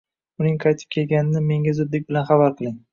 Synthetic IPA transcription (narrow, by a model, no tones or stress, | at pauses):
ʊnɪŋqʰɑjt̪ʰɪ̥p̚kʲʰe̞lˠɡʲanɪnɪme̞ŋɡʲazʊd̪lːɪk̚ʲbɪlanχɑbaɾqʰɨlˠɪŋ